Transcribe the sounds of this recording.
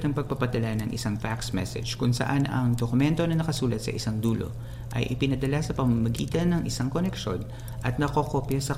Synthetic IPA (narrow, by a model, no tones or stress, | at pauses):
t̪ɐŋpɐɡ̚pɐpɐd̪ɐlanɐŋʔɪ̰saŋfaksmɛ̰sɛ̰d͡ʒkʊŋsɐ̰ʔanɐ̰ŋd̪okʊmɛnt̪o̞nɐnɐkɐsuːlɐt̪̚sɐ̰ʔɪsaŋd̪uːlo̞̰ | ʔɐ̰jʔɪpɪnɐd̪ɐlasɐpɐmɐmɐɡiːt̪ɐnːɐŋʔɪsaŋko̞nɛkʃo̞̰n | ʔɐt̪̚nɐkokopjɐsɐ